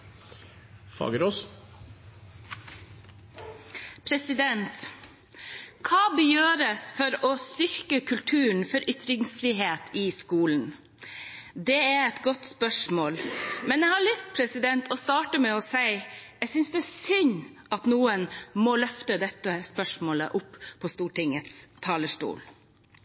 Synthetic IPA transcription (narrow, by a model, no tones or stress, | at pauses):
fɑ̰ːɡəɾoːs | pʰɾɛsɪd̪ɛnt̪ | kʰɑːbəjøːɾəsfɔɾɔst̪ʏɾkəkʰʉlt̪ʰʉːɳ̩fɔɾʔʏt̪ɾɪŋsfɾiːɦeːt̪ʰɪskuːln̩ | d̪ɛæɾɛt̪ɡɔt̪spœʂmoːlmɛnjɛɪhɑɭʏst̪̚pʰɾɛsɪd̪ɛnt̪ʰɔst̪ɑːʈəmɛɔsæɪ | ɛsʏnsd̪ɛːsʏɲ | ɑt̪nuːənmɔlœft̪əd̪ɛt̪ːəspœʂmoːlə̰ʔʊpːpʰɔst̪uːʈɪŋət̪st̪ʰɑːləʂʈṵːl